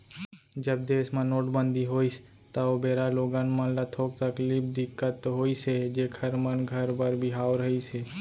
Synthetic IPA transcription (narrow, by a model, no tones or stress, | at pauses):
d͡ʒəb̚d̪eːsmãnoːʈbə̃nd̪iɦoːis | t̪aobeːɾaloːɡãnmə̃nlat̪ʰoːk̚t̪əklɪpd̪ɪkːət̪ːɦoːised͡ʒeːkʰəɾmənɡʱəɾbəɾbʱiɦaːwɾəɦiseː